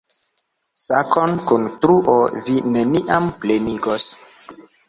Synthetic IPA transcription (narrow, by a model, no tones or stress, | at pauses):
sakʰonkuntɾuʔovine̞niʔampleniɡos